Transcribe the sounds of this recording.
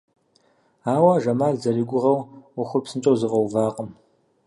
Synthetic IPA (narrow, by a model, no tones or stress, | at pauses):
aːwɐʒɐmaːɮzɐriɡʷʊʁɐwwʊxʷʊpsɨnt͡ʃʼɐwzɨqʼɐwvaːqʷʼəm